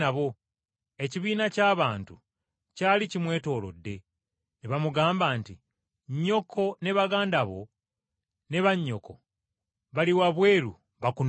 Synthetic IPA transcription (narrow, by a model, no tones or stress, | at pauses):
aβo̞ | e̞ciβiːnacaːβaːntu | caːlicimwe̞ːto̞ːlo̞̰dːe̞ | neβamuɡaːmbaːnti | ɲːo̞kʰo̞ne̞βaɡaːndaβo̞̰ | ne̞βaɲːo̞ko̞ | βaliwaβwe̞ːɾu | βakun